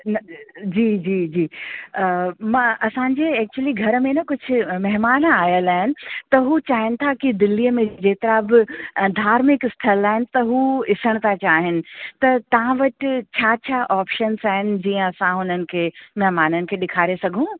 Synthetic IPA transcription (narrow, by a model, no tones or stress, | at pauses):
nɐd͡ʑiːd͡ʑiːd͡ʑiː | mãːʔɐsãɲd͡ʑeːɛːk̚t͡ɕuəliɡʱɐɾəmẽnɐkʊd͡ʑʱʊ̆mɛɦmaːnaːjəlaːɦɪnɪ̆t̪ɐɦut͡ɕaːɦɪnɪ̆t̪ʰakid̪ɪlːijəmẽd͡ʑeːt̪ɐɾabɪd̪ʱaːɾmɪkɪsʈʰəlaːɦɪnɪ̆t̪ɐɦuɪsəɽ̃t̪ʰat͡ɕaːɦɪnɪ̆t̪ɐt̪ɐʋ̤ãʋɐʈɪt͡ɕʰaːt͡ɕʰaːʔaːpʃənzaːɦɪnɪ̆d͡ʑiːə̃ɐsãɦʊnənɪ̆kʰeːmɐɦmaːnənɪ̆kʰeːɗɪkʰaːɾesɐɡʱũ